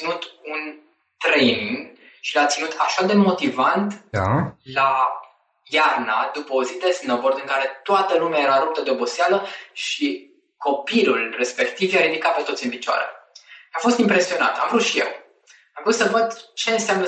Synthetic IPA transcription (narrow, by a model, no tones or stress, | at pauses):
inut̪un | t̪ɾejniŋɡ | ʃilat̪sinut̪ʰaʃad̪e̞mo̞t̪ivant̪ala | jarnad̪upəozit̪esɨnəvord̪ɨŋkaɾe̞t̪oat̪əlumeajeɾaɾup̚t̪əd̪eobo̞sealəʃi | ko̞pilulre̞spe̞kt̪ivjaɾid̪ikat̪pe̞t̪ot̪siɨnpit͡ʃoa̰ɾe̞̰afost̪impɾe̞sio̞na̰t̪a̰mvɾut̪ʃije̞̰w | amvɾut̪səvəd̪t͡ʃe̞nseamnə